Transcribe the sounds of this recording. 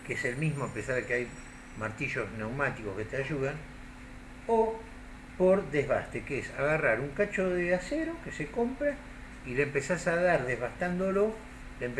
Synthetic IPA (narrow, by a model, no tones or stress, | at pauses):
keeselmizmoapesaɾðekeaj | maɾt̪iʒo̞zne̞wmat̪iko̞sket̪eaʒuðan | o | poɾðezβa̰st̪ekeesaɣaraɾuŋkat͡ʃoðeaseɾokeseko̞mpɾa | ilempesasaðaɾðeɦβast̪and̪olo | lemp